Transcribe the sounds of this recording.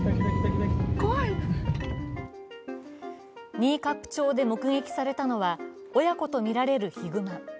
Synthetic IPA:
ɡoi | ɲ̟iːkapɯ̟̥t͡ɕo̞ːd̪e̞mo̞kɯ̟ŋe̞kʲi̥saɾe̞t̪ano̞βa | o̞jako̞t̪o̞mʲiɾaɾe̞ɾɯ̟çiɡɯ̟ma

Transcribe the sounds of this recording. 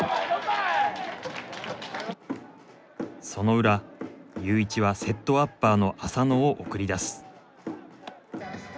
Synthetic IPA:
so̞no̞ɯ̟ɾajɯ̟ːit͡ɕiβase̞t̪ːo̞apːaːno̞ʔasano̞ːʔokɯ̟ɾʲid̪asɨ̥

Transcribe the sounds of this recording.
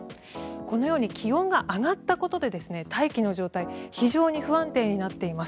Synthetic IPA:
ko̞no̞jo̞ːɲ̟ikʲʰiõ̞ŋɡaʔaɡat̪ːako̞t̪o̞d̪e̞d̪e̞sɨne̞t̪ʰaikʲino̞ʑo̞ːt̪aiçiʑo̞ːɲ̟iɸɯ̟ãnt̪e̞ːɲ̟inat̪ːe̞imas

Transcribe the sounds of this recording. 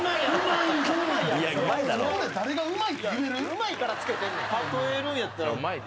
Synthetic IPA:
aiɯmaiaiaaɯmaid̪aɾo̰oɾed̪aɾeɡaɯ̟maiieɾɯɯmaikaɾat͡sɨ̥ke̞t̪ẽnd̪ehãt̪oeɾɯ̃ɰ̃jat̪ːaɾaɯmai

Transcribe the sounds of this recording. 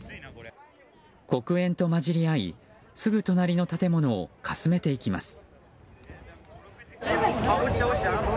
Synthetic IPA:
ko̞kɯ̟ẽ̞nt̪o̞maʑiɾʲiaḭ | sɨɡɯ̟t̪o̞naɾʲinot̪at̪e̞mo̞no̞̰ːkʰasɨme̞t̪e̞ikʲima̰sɨ̥

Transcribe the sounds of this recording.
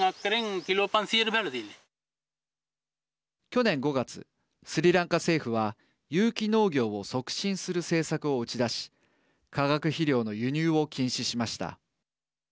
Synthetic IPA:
akːɾeŋkiloːpãnsiɾɯbelad̪in | kʲo̞nẽŋɡo̞ɡat͡sɨ̰ | sɨɾʲiɾãŋkase̞ːɸɯ̟βa | jɯːkʲino̞ːɡʲo̞ːo̞so̞kɯ̟̥ɕĩɰ̃sɨɾɯ̟se̞ːsakɯ̟o̞ɯ̟t͡ɕid̪aɕi̥ | kaɡakɯ̟çiɾʲo̞ːno̞jɯ̟ɲ̟ɨːo̞kʲĩɰ̃ɕiɕimaɕi̥t̪a̰

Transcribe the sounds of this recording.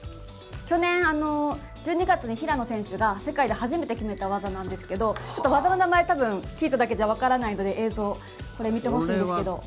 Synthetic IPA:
kʲo̞nẽ̞ɰ̃ano̞ | d͡ʑɨːɲ̟iɡat͡sɨɲ̟içiɾano̞sẽ̞ɰ̃ɕɨɡase̞kaid̪e̞haʑime̞t̪e̞kʲime̞t̪aβazanãnd̪e̞sɨ̥ke̞d̪o̞t͡ɕo̞t̪ːoβazano̞namaet̪abɯ̟̃ŋkʲiːt̪ad̪ak̬e̞daβ̞akaɾanaino̞d̪e̞ʔeːzo̞ː | ko̞ɾe̞mʲit̪e̞ɦo̞ɕĩːnd̪esɨ̥ke̞d̪o̞

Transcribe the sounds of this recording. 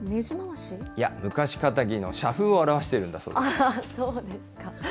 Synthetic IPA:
ne̞ʑimaaɕija̰mɯ̟kaɕi̥kat̪aɡʲino̞̰ɕaɸɯ̟oaɾaβaɕi̥t̪e̞ɾɯ̟̃nd̪aso̰ːdasoːd̪e̞sɨ̥ka

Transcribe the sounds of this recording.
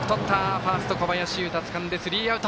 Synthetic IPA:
t̪ot̪ʰːaɸaːsɨ̥t̪oko̞bajaɕiɯ̟t̪at͡sɨ̥kãnd̪e̞sɨɾʲiːaɯ̟t̪

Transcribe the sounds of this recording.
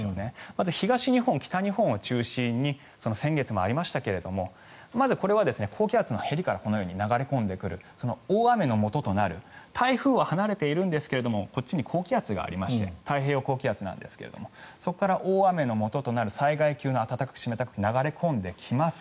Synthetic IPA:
one̞mazɨçiɡaɕiɲ̟ihõ̞ŋkʲi̥t̪aɲ̟ihõɰ̃ot͡ɕɨːɕĩɲ̟ːi | so̞no̞sẽ̞ŋɡe̞t͡sɨmo̞a̰ɾʲimaɕi̥t̪ake̞ɾe̞d̪o̞mo̞ | mazɨko̞ɾe̞βad̪e̞sɨne̞kʰo̞ːkʲiat͡sɨno̞he̞ɾʲikaɾako̞nojo̞ːɲ̟inaɡaɾe̞kõ̞nd̪e̞kɯ̟ɾɯ̟so̞no̞oːame̞no̞mo̞t̪o̞t̪o̞naɾɯ̟t̪ʰaiɸɯ̟ːβahanaɾe̞t̪e̞iɾɯ̟̃nd̪e̞sɨ̥ke̞ɾe̞d̪o̞mo̞ko̞t͡ɕːiɲ̟ikʰo̞ːkʲiat͡sɨɡa̰ːɾʲimaɕi̥t̪e̞̰t̪aiɦe̞ːokoːkʲiat͡sɨnã̰nd̪e̞̰sɨ̥ke̞ɾe̞̰d̪o̞̰mo̞so̞kokːaɾaʔoːame̞no̞mo̞t̪o̞t̪o̞naɾɯ̟saiɡaikʲɨːno̞at̪at̪akḁkɯ̥ɕime̞t̪akɯ̟̥inaɡaɾe̞kʰõ̞nd̪e̞kʲʰimasɨ̥

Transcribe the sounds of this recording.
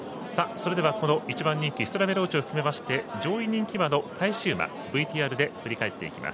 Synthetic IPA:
saso̞ɾe̞d̪e̞ako̞no̞ʔit͡ɕibãɲ̟ːĩŋkʲiç̥t̪oɾabe̞ɾo̞ːt͡ɕioɸɯ̟̥kɯ̟me̞maɕi̥t̪e̞d͡ʑo̞ːiɲ̟ĩŋkʲibano̞kʰaiɕɨːma̰ | bɯ̟it̪ʲiːaːɾɯ̟d̪e̞ɸɯ̟ɾʲikae̞t̪ːe̞̰ikʲḭmʔa̰s

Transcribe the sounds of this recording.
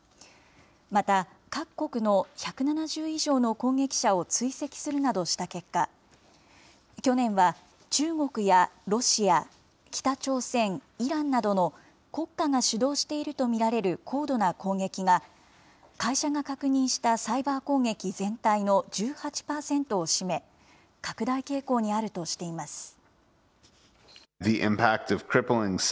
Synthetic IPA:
mat̪a | kakːo̞kɯ̟no̞çakɯ̟nanaʑɨːiʑo̞ːno̞kõ̞ŋɡe̞kʲi̥ɕao̞t͡sɨise̞kʲi̥sɨɾɯ̟nad̪o̞ɕi̥t̪ake̞kːa | kʲo̞nẽ̞ɰ̃βa | t͡ɕɨːŋo̞kɯ̟jaɾo̞ɕia | kʲi̥t̪at͡ɕo̞ːsẽ̞ŋiɾãnːad̪o̞no̞ | ko̞kːaŋaɕɨd̪o̞ːɕi̥t̪e̞iɾɯ̟t̪o̞mʲiɾaɾe̞ɾɯ̟kʰo̞ːd̪o̞nakõ̞ŋɡe̞kʲiŋa | kaiɕaŋakakɯ̟ɲ̟ĩɰ̃ɕi̥t̪asaibaːko̞ːŋɡe̞kʲizẽ̞nt̪aino̞d͡ʑɨːhat͡ɕi̥paːsẽ̞nt̪o̞ːɕime̞ | kakɯ̟d̪aike̞ːko̞ːɲ̟iaɾɯ̟t̪o̞ɕi̥t̪e̞imasɨ̥ | ðiʔɪ̰̃mpʰæk̚tʌv̥kʰɹ̥ɪpl̩ˠɪ̃ŋs

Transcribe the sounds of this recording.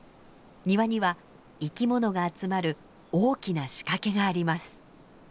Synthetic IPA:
ɲ̟iβaɲ̟iβa | ikʲimo̞no̞ɡaːt͡sɨmaɾɯ̟ | o̞ːkʲinaɕi̥kake̞ɡaːɾʲimasɨ̥

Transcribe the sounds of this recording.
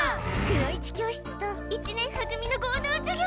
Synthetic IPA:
kɯɾoit͡ɕi̥kʲo̞ːɕi̥t͡sɨ̥t̪oit͡ɕinẽ̞ɰ̃hakɯ̟mʲino̞ɡoːd̪oːt͡ɕoɡʲ

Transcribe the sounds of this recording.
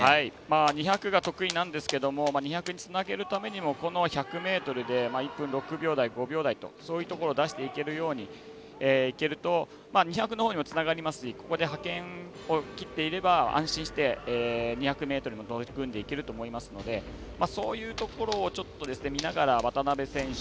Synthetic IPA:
haimaɲ̟içakɯ̟ɡat̪o̞kɯ̟inãnd̪e̞sɨ̥ke̞d̪o̞mo̞maɲ̟içakɯ̟ɲ̟it͡sɨnaɡe̞ɾɯ̟t̪ame̞ɲ̟imo̞ko̞no̞çakɯ̟me̞ːt̪o̞ɾɯ̟d̪e̞maːipːɯ̟̃nɾo̞kɯ̟bʲo̞ːd̪aiɡo̞bʲo̞ːd̪ait̪o̞̰so̞ːjɯ̟t̪o̞ko̞ɾo̞ːd̪aɕi̥t̪e̞ike̞ɾɯ̟jo̞ːɲ̟i | eːike̞ɾɯ̟t̪o̞ | maːɲ̟içakɯ̟no̞hoːɲ̟imot͡sɨnaɡaɾʲimasɨ̥ɕiko̞ko̞d̪e̞ɦakẽ̞ŋ | o̞kʲit̪ːe̞iɾe̞baã̰ɕĩɕi̥t̪e̞ːɲ̟içakɯ̟me̞ːt̪o̞ɾ̟imot̪okɯ̟̃nd̪e̞ike̞ɾɯ̟t̪o̞ːmo̞imasɨno̞d̪e̞ | maso̞ːjɯ̟ːt̪o̞ko̞ɾo̞ːt͡ɕo̞t̪ːo̞d̪e̞sɨne̞mʲinaɡaɾaβat̪anabe̞sẽ̞ɰ̃ɕ

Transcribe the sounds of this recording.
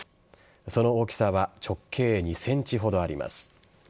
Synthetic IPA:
so̞no̞okʲi̥saβat͡ɕo̞kʰːe̞ːɲ̟isẽ̞ɲ̟t͡ɕiɦo̞d̪o̞aɾʲḭma̰sɨ̥

